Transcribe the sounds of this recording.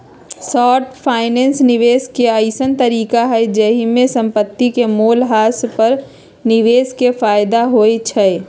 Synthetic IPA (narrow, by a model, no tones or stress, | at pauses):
sɔːʈpʰaːɪnɛ̃ːnsnɪʋeːskeəɪsənt̪əɾiːkaɦɛd͡ʒəɦimẽsə̃mpət̪ːikemoːlɦaːspəɾ | nɪʋeːskefaːɪd̪aɦoet͡ʃʰɛ